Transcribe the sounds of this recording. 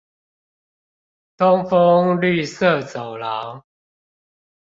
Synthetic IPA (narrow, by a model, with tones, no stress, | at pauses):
t̪ʊ˦˥ŋfo˦ŋly˥˨sə˥˨t͡so˨˩ʊlɑ˨˦ʊ